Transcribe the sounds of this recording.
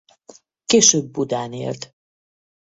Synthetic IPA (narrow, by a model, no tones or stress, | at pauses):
keːʃøːbːud̪aːnḛːlt̪